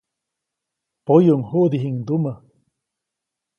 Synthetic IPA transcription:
pojuŋhuʔd̪iɦiŋd̪umə

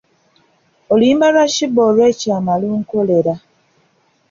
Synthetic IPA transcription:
oliːmbalaʃibolwecaːmaluŋkoleɾa

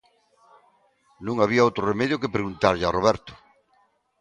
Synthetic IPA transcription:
nũŋaβiaowt̪ɾoremɛðjʊkepɾeɣunt̪aɾʎaroβɛɾt̪ʊ̥

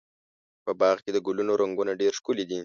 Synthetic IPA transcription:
pəbɑɣked̪əɡʊlunoɾaŋɡunaɖeɾʃkulid̪i

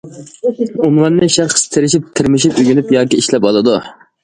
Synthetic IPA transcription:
umlˠɑɾnɨʃæɾχəst̪ʰɪɾɪʃip̚t̪ʰɪɾmɪʃipyɡʲynypjɑːkʲiiʃlɛpɑlˠɨd̪u

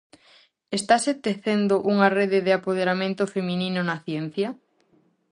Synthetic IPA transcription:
est̪aset̪eθend̪oʔuŋareðeðeapoð̞eɾamẽnt̪ʊfemĩnĩnʊnaθjɛn̟θjɐ

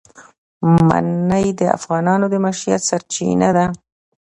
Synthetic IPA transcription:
ma̰nəjd̪əa̰fɣɑnɑnod̪əmaʃɾija̰t̪saɾt͡ʃḭnad̪a

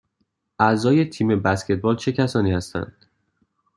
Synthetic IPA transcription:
ʔæzɒːje̞t̪ʰiːme̞bæskcʰe̞t̪̚bɒːlt͡ʃʰe̞cʰæsɒːniːhæst̪æ̰nd̪̥̚

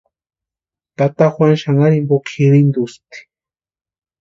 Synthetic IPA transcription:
t̪at̪axwanʃaŋaɾimbokʰiɾind̪ust̪i̥

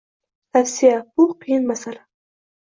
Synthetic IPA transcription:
t̪ʰafsijab̥uqʰijnmasala

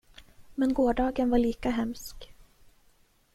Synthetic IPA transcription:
mɛnɡoːɖɑːɡənvaɭiːkaɦɛmsk

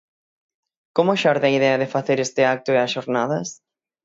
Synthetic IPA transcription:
komoʃaɾðɐiðɛɐðefaθeɾest̪ɪak̚t̪ʊeɐsʃoɾnaðɐs

